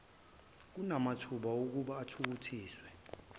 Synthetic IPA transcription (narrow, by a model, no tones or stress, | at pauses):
k̬unamatʰuɓauk̬uɓaːtʰuk̬utʰiːswɛ